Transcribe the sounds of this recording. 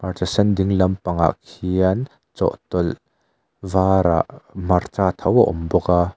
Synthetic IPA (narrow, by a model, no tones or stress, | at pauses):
part̪isɐnd̪ɪŋlɐmpɐŋa̰ʔkʰiɐn | t͡sɔ̰ʔt̪ɔl | vaːɾa̰ʔmɐrt͡saːt̪ʰɐwaʔɔmbɔka